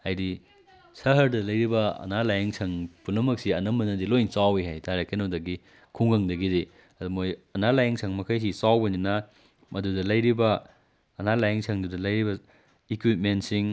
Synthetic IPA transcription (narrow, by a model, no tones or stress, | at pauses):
hajdi | sɐɦɐɾdɐlɐjɾibɐɐ̰nalajɐŋsʰɐŋpunɐmɐk̚siɐnɐmɐnɐdilojnsawiɦajtaɾakenɐwdɐɡi | kʰuŋɡɐŋdɐɡide | ɐdumojɐnalajɐŋsʰɐŋmɐkʰajs̬isawbɐninɐ | mɐdudɐlɐjɾibɐː | nalajɐŋsʰɐŋdudɐlɐjɾibɐ | ikwit̚ment̚siŋ